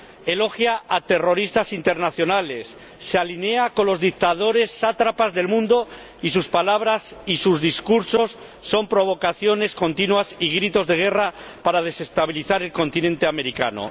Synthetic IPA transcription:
e̞lo̞xjaat̪e̞ro̞ɾist̪asint̪e̞ɾnaθjo̞nale̞sː | ealine̞ako̞nlo̞zðik̚t̪að̞o̞ɾe̞sːat̪ɾapazðe̞lmũnd̪o̞ | is̬uspalaβɾasisuzðiskuɾso̞sː | o̞mpɾo̞β̞o̞kaθjo̞ne̞sko̞nt̪inwasiɣɾit̪o̞zðe̞ɣ̞e̞ra | paɾað̞e̞se̞st̪aβ̞iliθaɾe̞lko̞nt̪inẽ̞nt̪eame̞ɾika̰no̰

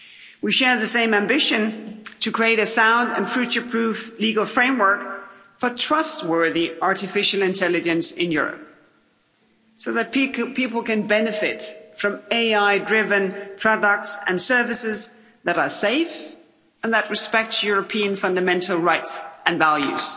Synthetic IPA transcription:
wiʃɛɹðɨsẽɪ̃mæ̃mbɪʃɨ̃ntʰɨkʰɹ̥ieɪɾɨsãʊ̃ndɨ̃nfɹʉt͡ʃə˞pʰɹ̥ʉfliɡəl̩ˠfɹẽɪ̃mwɜ˞k | fə˞tʰɹ̥ʌst̚wɜ˞ðiɑɹɾɨfɪʃl̩ˠɨ̃ntʰɛlˠɨd͡ʒɨ̃nsɪ̰̃njʊ̰ɹə̰p̚ | soʊðɨt̚pʰipl̩ˠkɨ̃nbɛnɨfɪtfɹʌ̃meɪaɪdɹɪvɨ̃npʰɹ̥ɑdək̚tsɨ̃nsɜ˞vɨsɪz | ðɨɾə˞seɪf | ə̃nðɨʔ̚ɹɨspɛk̚tsjʊɹɨpʰiɨ̃nfʌ̃ndɨmɛ̃ntl̩ˠɹaɪtsɨ̃nvælˠjʉ̰z̥

